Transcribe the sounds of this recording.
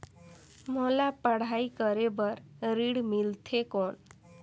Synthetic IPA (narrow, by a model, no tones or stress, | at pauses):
molapəɽ̤aikəɾebəɾɾiɽmilt̪ʰekoɳ